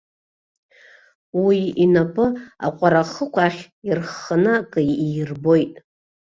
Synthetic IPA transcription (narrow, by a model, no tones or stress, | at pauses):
wiinapʼɨa̰qʷʼaɾaχəkʷaχʲ | irχanɨkʼɨirbo̞jtʼ